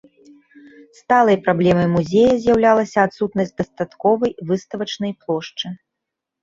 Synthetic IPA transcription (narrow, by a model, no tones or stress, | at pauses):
st̪alˠɐjpɾablʲɛmɐjmuzʲɛjɐzʲjawlʲalˠɐsʲɐːt̪sut̪nɐsʲt̚ʲd̪ɐst̪at̪kɔvɐjvɨst̪ɐvɐt͡ʂnɐjplˠɔʂt͡ʂɨ